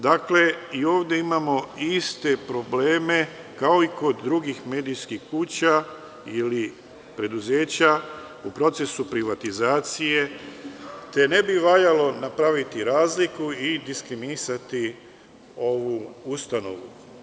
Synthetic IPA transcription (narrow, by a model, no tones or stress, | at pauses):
d̪akle̞io̞ːʋd̪e̞imamo̞ist̪e̞pɾo̞ble̞ːme̞ | kao̞iko̞d̪ːɾuɡixme̞ːd̪ijskixkuːt͡ɕa | ili | pɾe̞d̪uze̞ːt͡ɕa | upɾo̞t̪se̞supɾiʋat̪izaːt̪sije̞ | t̪e̞ne̞biʋaʎalo̞napɾaʋit̪iɾaːzlikuid̪iskɾiminisat̪i | o̞ʋuust̪ano̞̰ʋu